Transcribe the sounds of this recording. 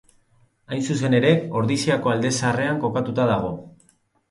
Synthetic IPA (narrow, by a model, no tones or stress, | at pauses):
ajnsuse̞ne̞ɾe̞o̞ɾðisiako̞ald̪e̞sare̞aŋko̞kat̪ut̪aðaɣ̞o̞